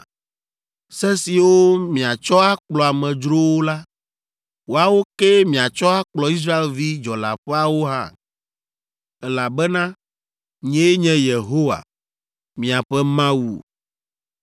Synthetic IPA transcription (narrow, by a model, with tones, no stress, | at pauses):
sɛ˦si˨wo˦mĩ˨a˨t͡ʃɔ˦a˦k͡plɔ˨a˨mɛ̃˨d͡ʒɾo˦wo˦la˦ | wo˨a˨wo˦kɛ˦mĩ˨a˨t͡ʃɔ˦a˦k͡plɔ˨i˦s̬ɾa˦e˨lvi˦d͡ʒɔ˨la̰˨ɸɛ˦a˦wo˦ɦã̰˦˨ | ɛ˦la˨bɛ˦nã˦ | ɲɛ̃˦e˦ɲɛ̃˦je˨ɦo˦wa̰˨ | mĩ˨a˨ɸɛ˦mã˦wṵ˨